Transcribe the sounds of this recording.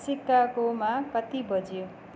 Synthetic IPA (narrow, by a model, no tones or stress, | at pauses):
sikːakomakʌt̪ibʌd͡zijo